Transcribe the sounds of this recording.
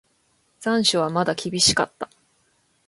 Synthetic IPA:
z̥ãɰ̃ɕoβ̞amad̪akʲibʲiɕi̥ka̰t̪ːḁ

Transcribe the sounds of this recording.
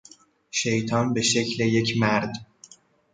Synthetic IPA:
ʃejt̪ʰɒːnbe̞ʃecleje̞cʰmæɾd̪

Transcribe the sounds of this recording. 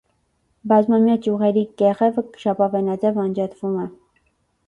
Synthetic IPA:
bɑzmɑmjɑt͡ʃjuʁɛɾikɛʁɛvəkʃɑpɑvɛnɑd͡zɛvɑnd͡ʒɑt̪ʰvumɛ

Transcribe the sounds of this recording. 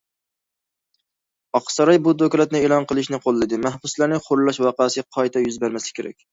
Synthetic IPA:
ɑqsɑɾɑjbud̪okʲɾˠɛt̪nɪeːlˠɑnqəlˠɪʃnɪqʰolˠːɨd̪ɪmæhbuslˠæɾnɪχoɾlˠɑʃwɑqɑsɪɡʲɛqʰɑjt̪ʰɛjyzbæɾmɛsɛ̥kʲʰeɾɛ̰kʲ

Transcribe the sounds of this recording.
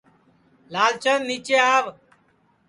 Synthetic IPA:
laːlt͡ʃənniːt͡ʃeːaːʋ

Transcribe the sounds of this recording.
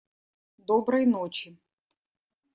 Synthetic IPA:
d̪ɔbɾɐjnot͡ɕɪ

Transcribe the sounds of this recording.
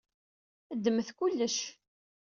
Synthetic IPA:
əd̪ːəməθkʊlːəʃ

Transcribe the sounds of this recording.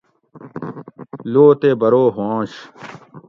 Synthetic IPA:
loːt̪ebɐɾoːɦãːɕ

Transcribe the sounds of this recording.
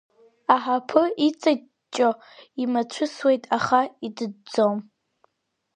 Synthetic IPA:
aħapʰɨit͡sʼa | t͡ʃʼo | imat͡ɕʷʰʊswe̞jtʼaχaidɨd͡zom

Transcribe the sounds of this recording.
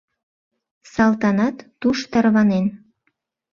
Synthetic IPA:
sɑlt̪ɑnɑt̪ːuʃt̪ɑrβɑnen

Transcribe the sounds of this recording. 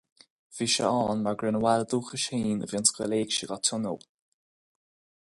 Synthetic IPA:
v̥iːʃə̰ɔːnmaɹɡɾɹɪnəwaləd̪uːxəʃiːnə̰vjɔnskəleːɡʃəɡɔt̪ʰʊnə̰lˠ

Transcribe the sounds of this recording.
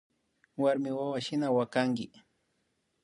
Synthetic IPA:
waɾmɪwawaʃɪnawakaŋɡɪ

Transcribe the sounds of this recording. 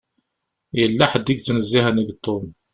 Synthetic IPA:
jəlːaħəd̪ːiɡ̚t͡sːnəzːihəniðt̪ˤːom

